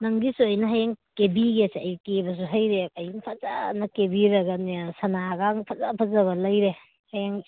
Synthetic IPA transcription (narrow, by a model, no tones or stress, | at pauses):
nɐŋɡisuɐjnɐɦajaŋkebiɡesajkebɐs̬uɦɐjɾeajŋpʰaza̰nɐkebiɾɐɡanesɐnaɡaŋpʰɐzapʰɐzɐβɐlɐjɾe | hajaŋ